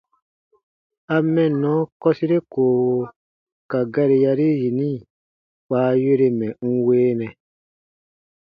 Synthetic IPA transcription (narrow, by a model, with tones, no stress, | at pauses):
a˧mɛ̃˨nɔ̃˨˦kɔ˦si˦ɾe˦koː˨wo˧ | ka˨ɡa˦ɾe˧ja˧ɾi˦ji˨nĩ˦ | k͡paː˨˦je˦ɾe˧mɛ̃˨ŋ̩˦weː˦nɛ̃˨